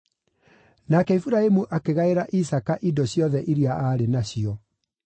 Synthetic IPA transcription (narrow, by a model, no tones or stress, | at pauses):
nakɛifuɾaemuʔakeɣaeɾaʔisakaʔidɔɕjɔðɛʔiɾiaʔaːɾenaɕiɔ